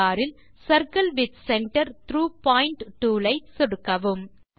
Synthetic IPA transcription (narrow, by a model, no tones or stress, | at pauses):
aːɾɪl | sɐɾkɐlʋɪd̪sɛɳʈɐɾt̪ɾuːpaːjɪɳʈʈːuːlɐɪsɔɽɯkːɐʋɯm